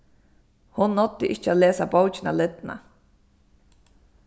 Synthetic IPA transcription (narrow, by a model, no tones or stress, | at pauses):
hʊnːɔt̪ːɪʔɪ̰ht͡ʃːaːleːsabowt͡ʃɪnalɪt̪na̰